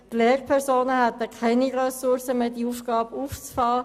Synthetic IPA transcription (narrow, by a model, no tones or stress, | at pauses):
t̪leːɾpʰɛɾsoːnəhæt̪əkʰɛɪniɾɛsuɾsəmeːdiufɡ̥ɑːbuːft͡sfɑː